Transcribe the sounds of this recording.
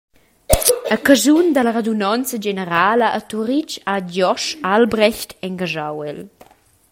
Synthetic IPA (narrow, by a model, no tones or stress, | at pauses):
əkəzund̪ələʁed̪unɔnt͡səd͡ʒenəɾaːləʔːt̪uɾit͡ʃad͡ʒɔʃalbɾɛçt̪ɛŋɡaʒawɛl